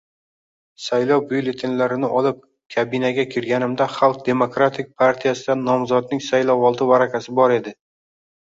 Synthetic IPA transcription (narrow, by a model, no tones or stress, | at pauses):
sajlˠɒwbʊjlet̪ʰɪnlaɾɪnɪʔɒlɪp̚ | kʲʰabɪnaɡʲakʲʰɪɾɡʲanɪmd̪aχalˠk̚d̪e̞mokɾat̪ʰɪk̚ʲpʰaɾt̪ʰijasɪd̪anːɒmzɒd̪nɪŋsajlˠɒwɒlˠd̪ɪvaɾakʲʰasɪbɒɾe̞d̪ɪ